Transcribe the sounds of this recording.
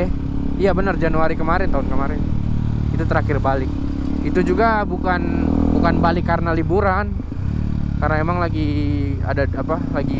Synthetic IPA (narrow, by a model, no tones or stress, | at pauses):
ijabənərd͡ʒanuaɾikəmaɾɪnt̪aʊnkəmaɾɪn | it̪ut̪əɾakɪrbalɪk̚ | it̪ud͡ʒuɡabukanbukanbalɪkːarnalibuɾan | kaɾənaemaŋlaɡia̰daapalaɡi